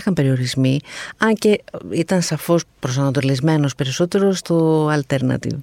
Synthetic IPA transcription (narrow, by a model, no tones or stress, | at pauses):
xɐmpe̞ɾio̞ɾizmiɐɲce̞it̪ɐnsɐfo̞spɾo̞sɐnɐt̪̬olizme̞no̞spe̞ɾiso̞t̪e̞ɾo̞st̪o̞ɐlt̪e̞ɾnɐ̰t̪ḭv